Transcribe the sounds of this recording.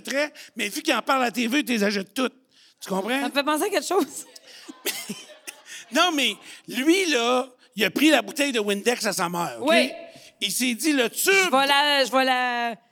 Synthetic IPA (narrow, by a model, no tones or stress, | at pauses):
t̪ʁɛmɛvykʲiɑ̃paʁlat̪evet̪ezaʒɛt̪ːʊt̪̚ | t̪y̥kɔ̃ːpʁɑ̃ãfɛpɑ̃ːseakʲɛkʃɔwz̥mɛ | nɔ̃ʊ̃mɛlɥilɔ | ijɐpʁilabut̪ɛjd̪əwɪ̃nd̪ɛksasamɛːʁoweised͡z̪ilʌt͡syvɔlaʒəvɔla